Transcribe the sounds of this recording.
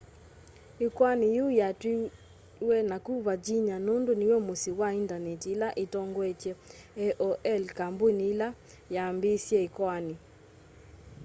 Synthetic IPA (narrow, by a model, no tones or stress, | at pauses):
ikwanijujatwi | wɛnakuβad͡ʒiɲanondoniwɛmosiwaintanɛtilaʔitɔŋɡwɛtɛ | ɛʔɔʔɛlkambonila | jambesjɛikwani